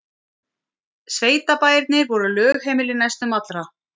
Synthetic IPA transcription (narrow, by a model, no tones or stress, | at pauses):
sveːjt̪apaːjɪɾt̪nɪɾvɔɾʏlœːɣhɛːmɪlɪnajst̪ʏmat̪lɾa